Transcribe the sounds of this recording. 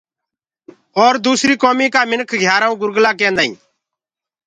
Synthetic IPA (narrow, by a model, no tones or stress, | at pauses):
ɔːɾd̪uːsɾiːkɔːmiːkaːmɪnkʰɡʱjaːɾaːũːɡʊɾɡlaːk̬ɛ̃ːnd̪aːḭ̃ː